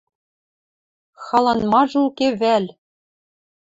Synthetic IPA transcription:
xɑlˠɑnmɑʐulkevælʲ

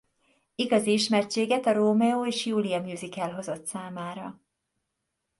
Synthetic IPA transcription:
iɡɒziiʃmɛrt͡ʃeːɡɛt̪ɒɾoːmɛoːeːʃjuːliɒmjuːzikɛlɦo̞zo̞t̪saːmaːɾɒ

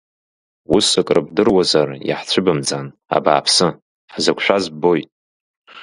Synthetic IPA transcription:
usɨkʼrɨb̚dɨrwazarja̰ħt͡sʷʰɨbɨmd͡zan | a̰ba̰ːpʰsɨ | ħzakʷʰʼʃʷᶣazbo̞jtʼ

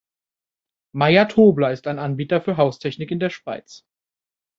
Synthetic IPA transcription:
maɪatʰoːblɐɪstaɪnanbiːtɐfyːɐɦaʊstʰɛçnɪkɪndeːɐʃv̥a̰ɪt͡s

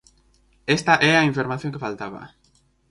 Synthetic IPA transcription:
est̪aʔɛaiɱfeɾmaθjõŋkefalt̪aβa̰

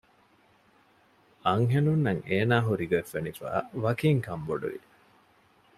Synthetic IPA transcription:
ɐŋɦenunːɐŋeːnaːɦuɾiɡɐefːenifæ̰ːʋɐkiŋkɐmboɖṵʋḭ

